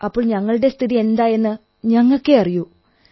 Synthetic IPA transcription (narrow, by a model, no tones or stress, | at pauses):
ɐpːoːɭɲɐŋːɐɭɨɽe̞st̪ʰiðie̞nd̪aːje̞nːɨ | ɲɐŋːokːeɐriju